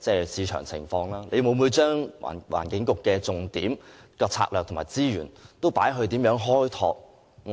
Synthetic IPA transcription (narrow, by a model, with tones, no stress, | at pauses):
t͡sɛː˥˧siː˨˧t͡ʃʰœ̰ː˨˩ŋt͡sʰɪ̰˨˩ŋfɔː˧ŋlaː˥nle˨˧jmo˨˧wmuː˨˧t͡ʃœː˥ŋa̰˨˩wa̰ː˨˩nkɪ˨˧˥ŋkʊ˨kːɛː˧t͡sʊ˨ŋt̪iː˨˥mkɔː˧t͡sʰa̰ː˧k̚lœː˨kt̪ʰmaː˨˩jt͡siː˥jyː˨˩nt̪o˥wpaː˨˥jɦɵ˧ɥt̪iː˨˥mjœː˨˥ŋɦɔː˥jt̪ʰɔː˧k̚